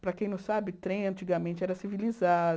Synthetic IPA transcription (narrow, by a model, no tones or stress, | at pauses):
pɾɐkẽj̃nɐ̃w̃sabɪt̪ɾẽj̃ɐ̃nt͡ʃiɡamẽnt͡ʃɪɛɾɐsiviliza